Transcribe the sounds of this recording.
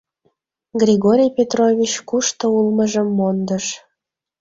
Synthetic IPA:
ɡrʲiɣoɾʲijpʲet̪rovʲit͡ɕkuʃt̪oulməʒəmːond̪əʃ

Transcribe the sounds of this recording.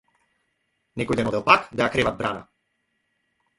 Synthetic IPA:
nɛkɔjd̪ɛnɔd̪ɛlˠpakd̪ajakɾɛvad̪̚bɾana̰

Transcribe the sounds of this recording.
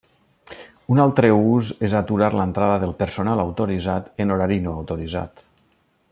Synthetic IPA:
unalˠt̪ɾəuzezat̪uɾaɾlənt̪ɾaðəðəlˠpəɾsonalˠawt̪oɾizat̪ənoɾaɾinoawt̪oɾiza̰t̪

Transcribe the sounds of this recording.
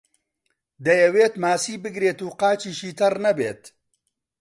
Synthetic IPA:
d̪ɐjɛweːt̪maːsiːbɨɡɾeːt̪uːqaːt͡ʃiːʃiːt̪ɐrnɐbḛːt̪

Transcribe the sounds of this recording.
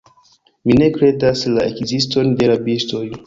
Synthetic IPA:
mine̞kɾe̞daslaekzisto̞nde̞ɾabisto̞j

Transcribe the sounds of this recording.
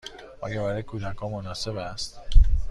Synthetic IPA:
ʔɒːɡebæɾɒjekʰuːd̪ækʰɒːmonɒːse̞bæst̪

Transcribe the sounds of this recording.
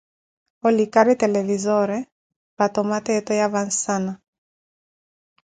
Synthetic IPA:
ɔlikaɾit̪elevizɔɾɛ | pat̪omat̪et̪ɔjavansana

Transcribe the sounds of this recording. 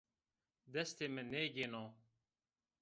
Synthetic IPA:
d̪ɛst̪eːmɛneːɡeno

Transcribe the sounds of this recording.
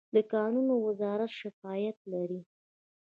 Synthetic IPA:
d̪əkɑnunowɪzɑɾat̪ʃɪfɑjat̪laɾi

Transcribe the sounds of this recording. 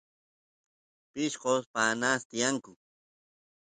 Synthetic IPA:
pɪʃqospanast̪ɪjaŋkʊ

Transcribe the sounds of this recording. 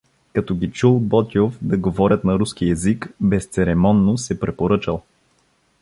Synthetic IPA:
kɐt̪ɔɡʲit͡ʃulˠbɔt̪ʲiofd̪ɐɡovɔɾʲət̪nɐɾuskiɛzikbɛst̪sɛɾɛmɔnːosɛpɾɛpoɾɤt͡ʃəlˠ

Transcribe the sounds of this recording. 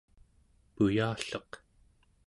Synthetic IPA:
pujaːɬʌq

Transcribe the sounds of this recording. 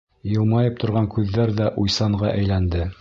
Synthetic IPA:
jɤ̆lˠmɑjɤp̚t̪ŏɾʁɑŋkʉðːæɾðæʔujsɑɴʁɑʔæjlænd̪ɘ

